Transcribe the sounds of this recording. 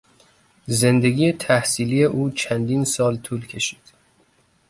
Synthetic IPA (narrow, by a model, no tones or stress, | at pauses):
ze̞nd̪e̞ɡiːjet̪ʰæhsiːliːje̞ʔuːt͡ʃʰænd̪iːnsɒːlt̪ʰuːlcʰe̞ʃiːd̪̥